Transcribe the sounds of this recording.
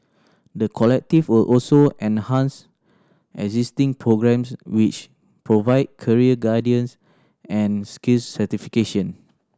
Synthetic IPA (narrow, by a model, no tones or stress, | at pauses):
dəkʰɔlɛk̚tifwilʔɔlsoʔɛ̃nhãns | ʔɛ̰ɡzistĩŋpʰɹoɡɹɛ̃mswit͡ʃ | pɹovaɪd̚kʰəɹiəɡadiə̃ns | ɛ̃nskilsːətifikeʃə̃n